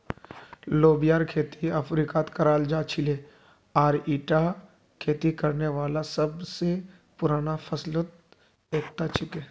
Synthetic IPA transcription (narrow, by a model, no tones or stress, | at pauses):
loːbijaːɾkʰeːt̪iəfɾikaːt̪kəɾaːld͡ʒaːt͡ʃʰɪleː | aːɾiːʈa | kʰeːt̪ikɐɾneʋaːlasəbse | pʊɾaːnafʰɐslət̪̚ | eːk̚t̪at͡ʃʰɪkeː